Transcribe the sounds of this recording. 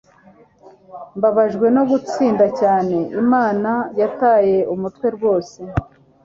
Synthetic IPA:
mbaβaʒɡwe̞no̞ɡut͡siːndacaːne̞ʔimaːnajataːje̞umutwe̞ɾɡwo̞ːse̞

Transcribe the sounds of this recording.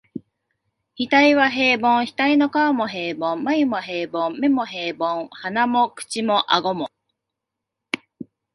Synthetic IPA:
hit̪aiβaɦe̞ːbõ̞ɰ̃çi̥t̪ainokaamo̞ɦe̞ːbõmmaimoɦe̞ːbõmme̞mo̞ɦe̞ːbõŋ̃hanamo̞kɯ̟̥t͡ɕimo̞ʔaɡo̞mo

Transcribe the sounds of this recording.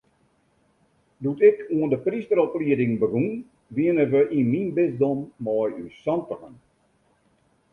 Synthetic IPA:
dutɪkʰuəndəpristəɾɔpliədɪŋbəɡun | ʋiənəʋəʔinminbɪzdɔmːɔjysɔntəɣən

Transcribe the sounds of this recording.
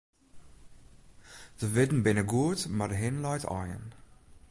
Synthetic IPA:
z̥əvɪdn̩bɪnəɡuətmadəɦɪnlɔjtɑ̰jə̰n

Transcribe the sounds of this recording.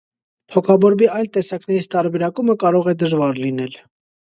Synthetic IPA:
t̪ʰɔkʰɑbɔɾbiɑjlt̪ɛsɑknɛɾit͡sʰt̪ɑɾbɛɾɑkuməkɑɾɔʁɛd̪əʒvɑɾlinɛl

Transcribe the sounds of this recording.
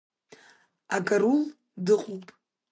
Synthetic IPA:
akʼarul | dɨqʼopʼ

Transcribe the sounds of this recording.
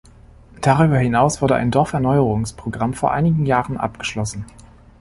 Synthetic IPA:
d̥aʁyːbɐhɪnaʊsv̥ʊɐdəʔa̰ɪndɔɐfɛɐnɔʏəʁʊŋspʁ̥oɡʁamfoːɐʔa̰ɪnɪɡŋ̩jaːʁənʔa̰pɡ̥əʃlɔsn̩

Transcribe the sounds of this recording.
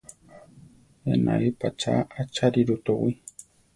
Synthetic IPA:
ḛna̰ipat͡ʃaat͡ʃaɾiɾut̪owi

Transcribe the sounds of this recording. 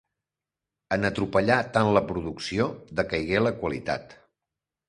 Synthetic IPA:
ənət̪ɾupəʎat̪anləpɾuðuksiod̪əkəjɣeləkwəlit̪a̰t̪

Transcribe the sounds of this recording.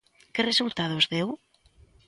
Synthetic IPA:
keresult̪að̞ozðew

